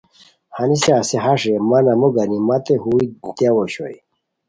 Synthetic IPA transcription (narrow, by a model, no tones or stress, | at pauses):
haniseaseɦaʂemanɐmuɡanimat̪eɦuit̪awoɕoj